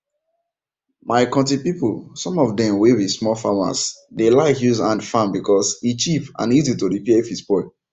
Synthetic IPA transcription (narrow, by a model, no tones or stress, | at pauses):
maɪkɔ̃tipipolsɔ̃mɔvdɛ̃mweɹismɔlfama̰sdelaɪɦjuzãndfãnbikɔsit͡ʃipã̰nizitoɹipiefisbɔɪ